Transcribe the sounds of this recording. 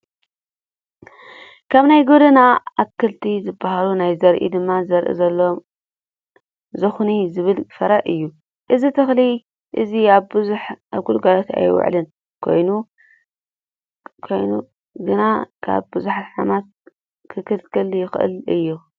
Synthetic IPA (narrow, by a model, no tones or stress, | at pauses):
kʰaβnajɡod̪ɐnaaβkʰɨlt̪ʰizɨbahalunajzɐɾʔḭd̪ɨmːazɐɾʔḭzɐlːo | zɨxnizɨβɨlfɐɾaʔɨjːu | ʔɨzit̪ʰɨxli | ʔɨziaβbɨzuħaβɡulɡalot̪a̰jwɔ̰ʕlɨn | kʰo̞̰jnu | kʰojnu | ɡɨnakʰa̰βbɨzuħat̪ħamat̪̚ | kʰɨkʰɨlkʰɨljɪxʔɨ̰lɨjːu